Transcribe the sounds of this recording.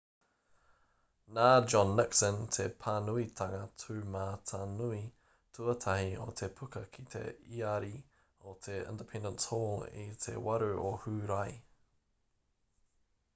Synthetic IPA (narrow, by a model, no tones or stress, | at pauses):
naːd͡ʒɔnːɪksəntʰepʰanuitʰaŋətʰʉːmaːtʰanui | tʰuətʰahio̰t̪ʰepʰʉkəkʰit̪ʰḛiaɾi | otʰeɪ̰̃ndəpʰɛ̃ndə̃nthɔːlḭtʰḛwaɾuʔohʉːɾaj